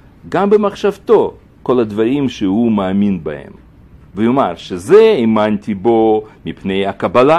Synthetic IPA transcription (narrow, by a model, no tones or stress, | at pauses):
ɡambəmaχʃɐvt̪o̞ | ko̞lɐd̪vɐɾimʃeɦumaːminbɐhḛm | vejomaʁʃezeimant̪ʲibo̞mipnejakɐbɐla